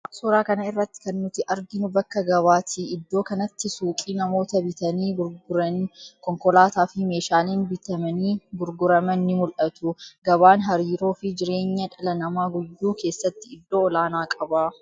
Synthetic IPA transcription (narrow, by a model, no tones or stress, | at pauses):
ʔɐksuːɾaːkɐnɐɪrːɐt̪ːɪ̥kɐnːʊt̪ɪʔɐɾɡɪnʊbɐkːɐɡɐβaːt̪ɪɪd̪ːo̞ːkɐnɐt̪ːɪsuːkʼiːnɐmo̞ːt̪ɐbɪt̪ɐniːʊɾɡʊɾɐnkɔŋkɔlaːt̪aːfɪme̞ːʃaːleːnbɪt̪ɐmɐniːɡʊɾɡʊɾɐmɐnːɪmʊlʔɐt̪ʊɡɐβaːnɦɐɾiːɾo̞ːfɪd͡ʒɪɾe̞ːɲːɐᶑɐlɐnɐmaːɡʊjːuːke̞ːsːɐt̪ːɪɪd̪ːo̞ːɔlaːnaːkʼɐbaː